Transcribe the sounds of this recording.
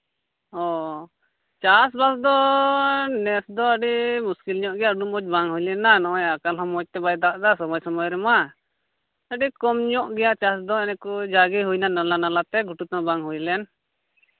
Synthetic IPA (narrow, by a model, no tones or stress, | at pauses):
ɔ | t͡ʃasbasd̪ɔ | nɛsd̪ɔəɖimuskilɲɔʔɡɛjaɖumbɔd͡ʒbaŋɦujlɛnanɔɔjakalɦɔmɔc̚t̪ɛbajd̪aʔd̪asɔmɔjsɔmɔjɾɛma | əɖikɔmɲɔʔɡɛjat͡ʃas̬d̪ɔɛnɛkud͡ʒaɡiɦujnanalanalat̪ɛɡʱuʈut̪ɔbaŋɦujlɛn